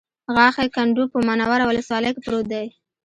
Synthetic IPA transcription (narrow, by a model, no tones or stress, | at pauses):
ɣɑxekaɳɖupəmanɑwaɾawʊləswɑləjkepɾod̪aj